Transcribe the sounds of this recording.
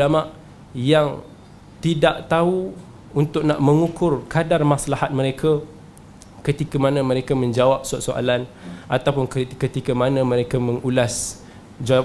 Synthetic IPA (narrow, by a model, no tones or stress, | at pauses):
ulamaʔ | jaŋ | t̪idaʔt̪au | unt̪ʊk̚naʔmə̃ŋukʊrkadarmasalahat̪̚məɾekʰa | kət̪ikamanə̃mə̃ɾekamə̃ɲd͡ʒawap̚saʔsoʔa̰lanat̪awpʊnkkət̪ikamanə̃mə̃ɾekamə̃ŋulas | d͡ʒaw